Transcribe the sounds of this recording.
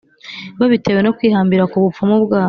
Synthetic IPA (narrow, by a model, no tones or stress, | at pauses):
βaβite̞we̞no̞kwiːhaːmbiɾakuβufumubɡaː